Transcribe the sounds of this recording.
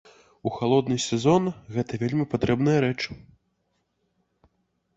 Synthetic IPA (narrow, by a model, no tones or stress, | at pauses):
uxalˠɔd̪nɨjsʲɛzɔnɣɛt̪ɐvʲelʲmʲipat̪ɾɛbnɐjɐɾɛt͡ʂɨ